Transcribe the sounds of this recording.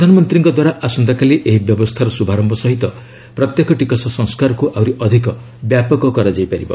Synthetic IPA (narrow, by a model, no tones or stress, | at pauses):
d̪ʱanɔmɔnt̪ɾiŋkɔd̪waɾaʔasɔnd̪akaliʔeɦibjɔbɔst̪ʰaɾɔsubʱaɾɔmbʱɔsɔɦit̪ɔ | pɾɔt̪jekɔʈikɔsɔsɔ̃ŋskaɾɔkuʔawɾiʔɔd̪ʱikɔ | bjapɔkɔkɔɾad͡ʒajpaɾibɔ̰